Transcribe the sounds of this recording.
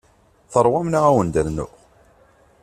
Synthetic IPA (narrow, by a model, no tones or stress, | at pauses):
θəɾˤwæmnaʁæwənd̪əɾnʊ̰